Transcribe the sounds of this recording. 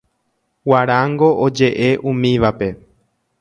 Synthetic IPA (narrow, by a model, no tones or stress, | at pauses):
waɾaŋɡo̞ʔod͡ʒe̞ʔe̞ʔũmĩʋape̞